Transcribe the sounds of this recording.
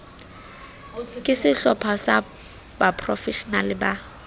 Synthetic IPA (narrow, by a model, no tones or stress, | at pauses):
kʼɪsɪɬɔpʰasa | bapʰʼrɔfɛʃɔnalɪba